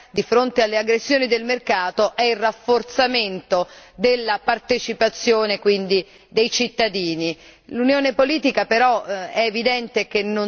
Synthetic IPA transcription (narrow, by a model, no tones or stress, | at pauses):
d̪ifɾont̪ealːeaɡɾesːjoːnid̪elmerkaːt̪oʔɛilrafːort̪sament̪od̪elːapart̪et͡ʃipat̪sːjoːnekwind̪i | d̪ejt͡ʃit̪ːad̪iːni | lunjoːnepoliːt̪ikapeɾɔɛːvid̪ɛnt̪ekenːo